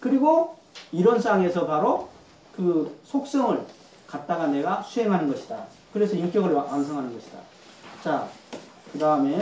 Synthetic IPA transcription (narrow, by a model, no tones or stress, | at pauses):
kɯɾiɡo | iɾʌns͈ʰaŋe̞sʰʌpaɾo | kɯsʰok̚s͈ʌŋɯɭ | kat̚t͈aɡane̞ɡasʰuɦe̞ŋɦanɯnɡʌɕʰi̥da | kɯɾe̞sʰʌimk͈jʌɡɯɭwansʰʌŋɦanɯnɡʌɕʰi̥d̥a̰ | t͡ɕa | kɯdaɯme̞